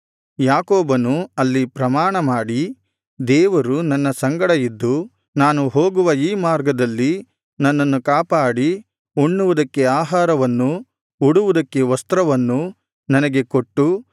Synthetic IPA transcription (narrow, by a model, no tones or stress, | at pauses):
jaːkoːbɐnuɐlːipɾɐmaːɳɐmaːɽi | d̪ɛːʋɐɾunɐnːɐsɐŋɡɐɽɐjid̪ːu | naːnuɦoːɡuʋɐiːmaːɾɡɐd̪ɐlːi | nɐnːɐnːukaːpaːɽi | uɳːuʋud̪ɐkːe̞aːɦaːɾɐʋɐnːu | uɽuʋud̪ɐkːe̞ʋɐst̪ɾɐʋɐnːu | nɐnɐɡe̞koʈːu